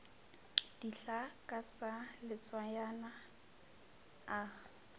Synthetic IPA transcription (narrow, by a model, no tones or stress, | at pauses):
d̥iɬakʼasalɪt͡sʼwajana | a